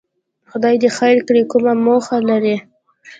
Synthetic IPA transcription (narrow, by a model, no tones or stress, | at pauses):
xʊd̪ɑjd̪əxajɾkɽikʊmamoxalaɾi